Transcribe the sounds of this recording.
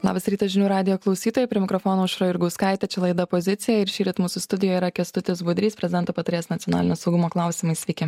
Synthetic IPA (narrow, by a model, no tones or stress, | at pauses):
lˠɑːbɐsɾʲiːt̪ɐsʒʲɪnʲuːɾɑːd̪ʲɪjoːklˠɐʊsʲiːt̪oːjɛpʲɾʲɪɛmʲɪkɾɔfoːnoːʊʃɾoːɪɾɡɐʊskɑˑɪt̪ʲɛt͡ʃʲɛlˠɐɪd̪ɐpozʲɪtsʲɪjɛɪɾʃʲiːɾʲɪt̪muːsʊst̪ʊd̪ʲɪjojɪɾɐkʲiɛst̪ʊt̪ʲɪsbʊd̪ʲɾʲiːspʲɾʲɛzʲɪd̪ɛnt̪oːpɐt̪ɐɾʲeːsnɐt̪sʲjɔnɑ̰lʲɪnʲoːsɐʊɡʊmoːklˠɑˑʊsʲɪmɐɪsʲʋʲɛkʲɪ